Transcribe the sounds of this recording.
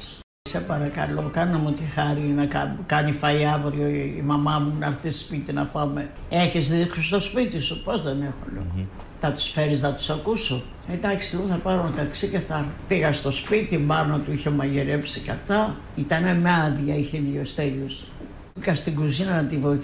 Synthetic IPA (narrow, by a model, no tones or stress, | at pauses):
sepɐɾɐkɐ̰lokɐnomut̪ixɐɾinɐkɐkɐnifɐiɐvɾioḭmɐmɐmunɐɾθispit̪inɐpɐme | eçezðiksost̪o̞spit̪isupo̞zðenexo̰lo̰ɣo | nɐt̪u̥sfeɾiznɐt̪u̥sɐkusu | ed̪ɐksiloɣθɐpɐɾomet̪ɐksiceθɐɾpiɣɐst̪o̞spit̪imɐɾnot̪uiçemɐʝeɾepsikɐft̪ɐ | it̪ɐnemɐðʝɐiçeðʝost̪eʎus | ikɐst̪iɡuzinɐnɐt̪ivo̞iθ